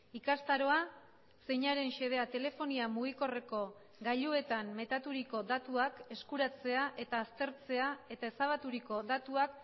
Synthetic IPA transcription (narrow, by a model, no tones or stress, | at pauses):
ikast̪aɾo̞a | se̞jɲaɾe̞nʃe̞ð̞e̞at̪e̞le̞fo̞niamuɣ̞iko̞re̞ko̞ | ɡaʎue̞t̪amme̞t̪at̪uɾiko̞d̪at̪uake̞skuɾat͡se̞aʔe̞t̪aːst̪e̞ɾt͡se̞ae̞t̪ae̞saβ̞at̪uɾiko̞dat̪uak